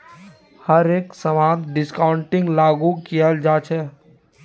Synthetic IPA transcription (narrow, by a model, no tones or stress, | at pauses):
həɾeːksəmãːd̪ɖɪskaːʊɳʈɪ̃ŋɡlaːɡukijəld͡ʒaːt͡ʃʰɛː